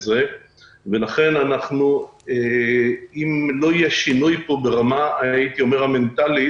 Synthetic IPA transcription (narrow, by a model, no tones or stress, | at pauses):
ze | ve̞laχe̞nanaχnue | imlo̞ijɛʃinujpo̞be̞ʁamaait̪io̞me̞ʁame̞nt̪ali